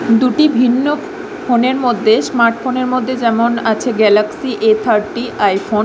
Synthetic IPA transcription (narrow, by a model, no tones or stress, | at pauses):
d̪uʈibʱinːo | foneɾmod̪ʱːesmaɾʈfoneɾmod̪ʱːed͡ʑɛmonat͡ɕʰeɡɛlaksiʔet̪ʰaɾʈiʔajfo